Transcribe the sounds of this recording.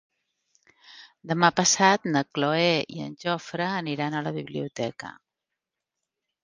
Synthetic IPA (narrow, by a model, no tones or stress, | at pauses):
d̪əmapəsat̪nəkloɛḭə̰nʲʒɔfɾəːniɾanələβiβliut̪ɛkə̰